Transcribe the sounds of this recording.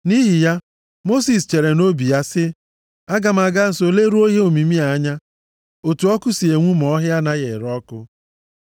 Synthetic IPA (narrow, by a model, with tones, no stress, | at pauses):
ni˦ɦi˨ja˦ | mo˦si˨s̬t͡ʃe˨ɾe˨no˦bi˨ja˦sɪ˦ | a˦ɡa˨m̩˨a˨ɡa˦n̩˨so˨le˦ɾu˦o˦ɦe˦o˨mi˨mi˦a˨a˦ɲa˦ | o˨tu˨ɔ˦kʊ˦si˨e˨ŋʷu˦m˨ɔ˦ɦja˦na˦ɣe˨ɾɔ˦kʊ˦